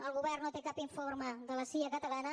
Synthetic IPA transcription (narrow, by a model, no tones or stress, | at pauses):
əlˠɣuβɛrnot̪ekapiɱforməðələsiəkət̪əlanə